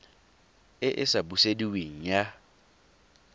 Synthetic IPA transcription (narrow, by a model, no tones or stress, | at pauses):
ɪʔɪsabusediweŋ̩ja